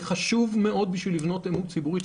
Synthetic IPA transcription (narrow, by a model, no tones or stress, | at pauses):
χaʃuvme̞o̞d̪̚biʃvilːivno̞t̪emut͡sibuʁi